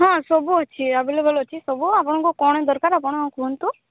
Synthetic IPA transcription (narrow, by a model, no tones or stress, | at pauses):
ɦãsɔbuɔt͡ʃʰiabilebəlɔt͡ʃʰisɔbuapɔɽ̃ɔ̃ŋkukɔɽ̃ed̪ɔɾkaɾapɔɽ̃ɔ̃kunt̪ũ